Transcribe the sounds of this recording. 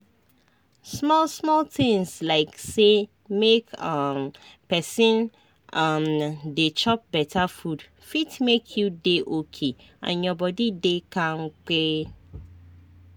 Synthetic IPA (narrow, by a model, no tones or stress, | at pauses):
smɔlsmɔltɪ̃ŋslaɪkse | mekʌmpɛsĩn | amdet͡ʃɔp̚bɛtʰafud | fitmekʰjudeʔokʰe | ã̰njɔbɔdidekãŋ̩k͡pe